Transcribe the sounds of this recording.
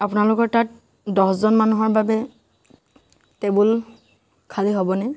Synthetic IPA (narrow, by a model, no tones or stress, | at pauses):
apʊnalʊkɔɹtat̚ | dɔszɔnmanuɦɔɹbabɛ | tɛbul | kʰaliɦobɔnɛ